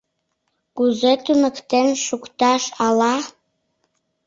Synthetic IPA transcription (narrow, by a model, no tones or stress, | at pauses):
kuzet̪ymɘ̆kt̪enʃukt̪ɑʃɑlɑ